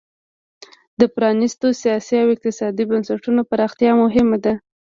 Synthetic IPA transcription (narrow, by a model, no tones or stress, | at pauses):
d̪əpɾɑnist̪osijɑsiawɪq̚t̪ɪsɑd̪ibansaʈunopaɾɑxt̪jɑmʊɦɪmad̪a